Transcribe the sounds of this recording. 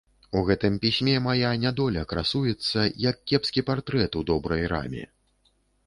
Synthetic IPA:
uɣɛt̪ɨmpʲisʲmʲɛmajanʲad̪ɔlʲɐkɾasujɛt̪sːɐjɐkːʲɛpskʲipart̪ɾɛt̪ud̪ɔbɾɐjɾa̰mʲḭ

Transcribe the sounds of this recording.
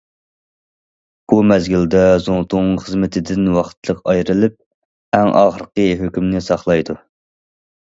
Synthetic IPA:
b̥umɛzɡʲild̪ɛzoŋt̪ʰuŋχəzmɪt̪ʰɪd̪ɪnwɑχt̪ʰlˠəqɑjɾɨlˠɪp̚ | æŋʔɑ̰χəɾəqəɦøkʲymnɪsɑχlˠɑjd̪u

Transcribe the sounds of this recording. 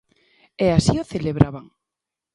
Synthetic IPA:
ɛasioθeleβɾaβaŋ

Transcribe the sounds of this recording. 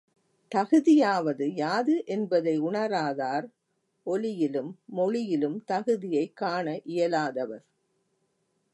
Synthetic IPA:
t̪ɐɣɯðɪjaːʋɐðɯjaːðɯʔɛnbɐðɐɪʊɳɐɾaːðaːɾ | ʔɔlɪjɪlɯmːɔɻɪjɪlɯmt̪ɐɣɯðɪjɐɪkːaːɳɐʔɪjɐlaːðɐʋɐɾ

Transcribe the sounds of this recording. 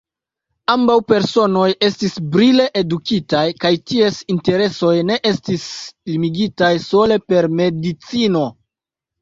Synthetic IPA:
ambawpe̞ɾso̞no̞je̞stisbɾile̞ʔedukitajkajtie̞sinte̞ɾe̞so̞jne̞ʔe̞stislimiɡitajso̞le̞pe̞ɾme̞dit͡sino̞

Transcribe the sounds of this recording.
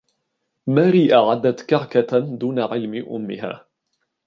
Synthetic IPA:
maːɾiːʔaʕad̪ːat̪kaɾkad̪uːnaʕɪlmɪʔʊ̰mːɪɦa̰ː

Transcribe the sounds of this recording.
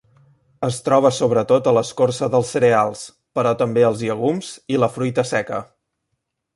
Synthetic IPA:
əst̪ɾɔβ̞əsoβɾət̪ot̪ələskorsəðəlˠsːəɾealˠs | pəɾɔt̪əmbeəlˠziəɣ̞umz̥iləfɾujt̪əsɛkə̰

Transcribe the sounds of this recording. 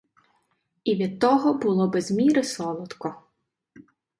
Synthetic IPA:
iʋʲid̪̚t̪ːɔɦɔbʊlˠɔbɛzmʲiɾɪsɔlˠɔt̪kɔ

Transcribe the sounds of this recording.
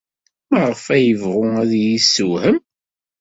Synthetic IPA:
mæʁəfæjəvʁʊæðjisːuhəm

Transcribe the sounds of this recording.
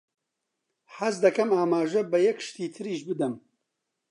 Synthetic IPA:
ħɐzd̪ɐkɐmaːmaːʒɐbɐjɐkʃt̪iːt̪ʰɨɾiːʃbɨd̪ɨm

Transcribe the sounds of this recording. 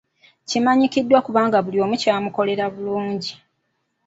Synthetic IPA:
cimaɲikidːwakuβaːŋɡaβuljo̞ːmucaːmuko̞le̞ɾaβuluːɲɟi

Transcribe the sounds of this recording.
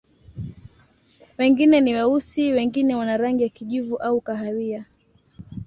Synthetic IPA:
wɛŋɡinɛniwausiwɛŋɡinɛwanaɾaŋɡijakiʄuvuʔaukaɦawia

